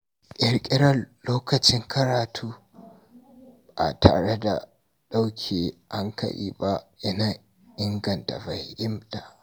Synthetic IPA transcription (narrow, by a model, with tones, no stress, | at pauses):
ʔɐ˨ɾkʲʼɪ˦ɾɐ˦loː˦kɐ˨t͡ʃɪ˦ŋkʰɐ˦ɾaː˨tʰuː˦ | a̰˨ta̰ː˨ɽe˦da̰˨ | ɗa˦wkʲʰeː˨ʔa˦ŋkɐ̰˦ʔḭː˦ba˦ʔɪ˦naː˨ | ʔɪ˦ŋɡɐ˨nta̰˨ba˨jhɪ˦mta˨